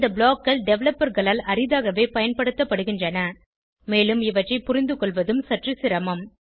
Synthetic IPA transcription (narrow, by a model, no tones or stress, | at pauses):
d̪ɐbɭoːkːɐɭɖɛʋlɐpːɐɾɣɐɭaːlɐrɪðaːɣɐʋeːpɐjɐnpɐɽɯt̪ːɐpːɐɽɯɣɪndrɐnɐ | meːlɯmɪʋɐʈrɐɪpʊɾɪnd̪ɯkɔɭʋɐðɯmsɐʈrisɪɾɐmɐm